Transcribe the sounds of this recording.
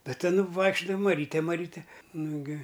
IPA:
ˈtɐ ˈtʲɪn ˈʋɐɪkʃʲt͡ʃʲʊdɐʋɐ mɐˈrʲiːtʲɛ mɐˈrʲiːtʲɛ ˈnʊɡʲɪ

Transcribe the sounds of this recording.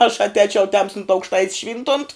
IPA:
ɐʃ ɐtʲˈɛːt͡ʃʲɛʊ ˈtʲɛmstʊnt ɐʊkʃˈtɐɪtʲs ˈʃʲʋʲiːntʊnt

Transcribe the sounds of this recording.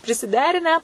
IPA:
pʲrʲɪsʲɪˈdʲæːrʲɪnʲæː

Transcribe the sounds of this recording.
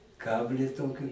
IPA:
ˈkɑːbʲlʲiː ˈtoːkʲɪ

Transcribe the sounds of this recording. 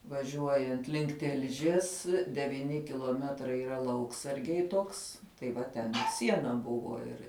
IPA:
ʋɐˈʒʲuɔjɛnt lʲɪŋk ˈtʲɪlʲʒʲiɛs dʲɛʋʲiːˈnʲɪ kʲɪlˠuɔˈmʲæːtrɐɪ iːˈrɐ ˈlˠɐʊksɐrʲɡʲɛɪ ˈtoːks tɐɪ ˈʋɐ tʲɛn ɪ ˈsʲiɛnɐ ˈbʊʋoː ˈɪr

